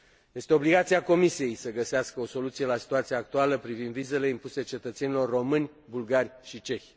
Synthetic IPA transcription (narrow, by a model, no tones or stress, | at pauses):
je̞st̪e̞o̞bliɡat̪siako̞misije̞jsəɡəseaskəo̞so̞lut̪sije̞lasi̥t̪uat̪sijaːk̚t̪ualəpɾivind̪vize̞le̞impuse̞t͡ʃe̞t̪ət̪se̞nilo̞rːo̞mɨnʲ | bulɡarʲʃit͡ʃe̞xʲ